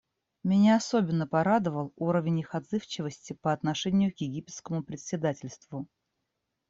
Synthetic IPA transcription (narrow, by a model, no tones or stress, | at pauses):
mʲɪnʲaɐsobʲɪnːəpɐɾad̪əvəlˠuɾəvʲɪnʲɪxɐd̪zɨft͡ɕɪvəsʲtʲɪpəɐt̪nɐʂɛnʲɪjʊkjɪɡʲipʲɪt̪skəmʊpɾʲɪt̪sʲɪd̪atʲɪlʲst̪vʊ